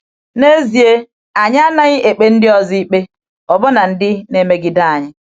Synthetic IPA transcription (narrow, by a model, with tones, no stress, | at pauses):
ne˦zi˨e˦ | a˨ɲ˦a˦na˦ɲɪ˦ʔe˨k͡pe˦n̩˦dɪ˦ɔ˨zi˦i˦k͡pe˦ | ɔ˨bɔ˦na˨n̩˦dɪ˦ne˦me˦ɡɪ˦da˦˨a˨ɲɪ˦